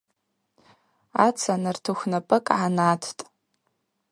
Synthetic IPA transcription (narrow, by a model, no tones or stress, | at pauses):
a̰t͡sʰanartʰuxʷnapʼɨkʼʕanatʰtʼ